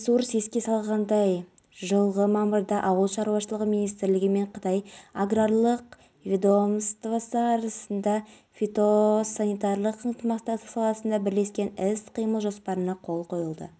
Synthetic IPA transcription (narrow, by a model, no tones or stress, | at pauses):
suɾse̞skʲe̞sɑlˠʁɑnd̪ɑj | ʒəlˠʁəmɑməɾd̪ɑʔɑwəlˠʃɑɾuwɑʃəlˠəʁəmijnijst̪ɾlɪɡʲɪme̞ɴqʰət̪ɑjaɡraɾlˠəq | vʲed̪o̞mst̪vasəɑɾɑsənd̪ɑ | fʲet̪o̞sanijt̪aɾlˠəqʰəɴt̪əmɑst̪ɑəsɑlˠɑsənd̪ɑbɪɾle̞skʲe̞nɪsqʰijməlˠʒo̞spɑɾənɑqʰo̞lˠqʰo̞jəlˠd̪ə̰